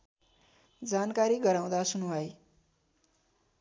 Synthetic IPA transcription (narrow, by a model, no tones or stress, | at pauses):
d͡zankaɾiɡʌɾaw̃d̪asunubʱʌj